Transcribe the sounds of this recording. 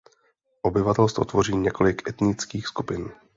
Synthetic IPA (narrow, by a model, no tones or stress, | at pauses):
ʔo̞bɪvat̪ɛlst̪vo̞̰t̪vo̞riːɲɛko̞lɪkʔɛt̪nɪt͡skiːxskupɪn